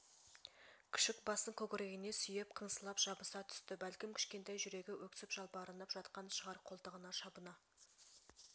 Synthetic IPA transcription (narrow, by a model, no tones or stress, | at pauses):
kʲʰɪ̥ʃɪkbɑsəɴkʲʰɵkʲɪɾe̞ɡʲɪne̞sʏjep̚qʰənsəlˠɑpʒɑbəsɑt̪ʰʏ̥st̪ɪbælkʲɪmkʲʰɪ̥ʃkʲe̞nt̪ɑjʒʏɾe̞ɡʲɪwʔɵk̚t̪ɪ̥sɪpʒ̥ɑlˠpəɑɾənd̪ɑpʒ̥ɑt̪qɑnʃəʁɑɾqʰo̞lˠt̪əʁənɑʃɑbənɑ